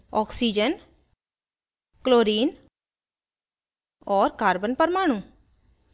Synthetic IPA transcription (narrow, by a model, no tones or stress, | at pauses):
ɔːksiːd͡ʒən | kloːɾiːn | ɔːɾkaːɾbənpəɾmaːɳ̃ũ